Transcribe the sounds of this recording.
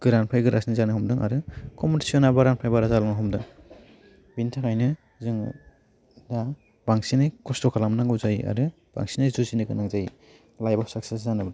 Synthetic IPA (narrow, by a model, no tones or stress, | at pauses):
ɡ̥ɯɾanpʰajɡɯɾʔa̰snizanɯhɔmdɯŋa̰ɾɯkɔmuti̥siɔnabaɾanpʰajbaɾazalaŋɯɦɔmdɯŋ | bintʰakʰajnɯ | zɯŋ | da | baŋsinɯkɔstɔkʰalamnaŋɡɯzajia̰ɾɯ | b̥a̰ŋsinɯzuzinɯɡɯnaŋzaji | lajbasak̚ses̬zanɯbad